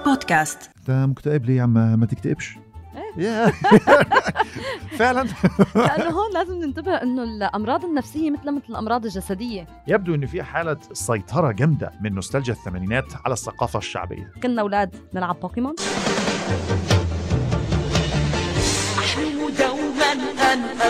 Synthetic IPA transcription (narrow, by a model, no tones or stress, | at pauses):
pod̪kast̪t̪æmʊkt̪æʔɪbliːjanmæmæt̪ɪk̚t̪æʔɪbʃ | ʔeːjæː | feʕlænʔanːɦoːlæːzɪmnɪnt̪abɪhʔɪnːʊlʔɑmɾˤɑːd̪ˤɪnːæfsɪjːemɪt̪læmɪt̪lɪlʔɑmɾˤɑːd̪ˤɪlʒæsæd̪ɪjːe | jæb̚d̪uʔɪnːofiːhħaːlæsɑjt̪ˤʰɑɾˤɑɡæmd̪æ̰mɪnmʊst̪æld͡ʒæθːæmæːniːnæːt̪ʕa̰læsːɑqɑːfæʃːa̰ʕbḛjːæ̰kænːæwlæːd̪nɪlʕab̚ːɑːqimɑn | ʔaħmɪmʊd̪æwmænʔn